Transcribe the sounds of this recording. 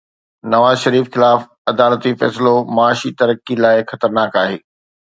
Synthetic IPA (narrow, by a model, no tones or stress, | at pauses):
nɐʋaːzʃɐɾiːfxɪlaːf | ɐd̪aːlət̪ifɛ̰ːsɪlomɐaːʃit̪ɐɾəkilaːɪxɐt̪əɾnaːkaːɦeː